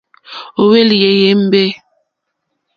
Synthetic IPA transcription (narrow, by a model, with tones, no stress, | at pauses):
o˨we˦lje˨je˨˦m̩˦bɛ˦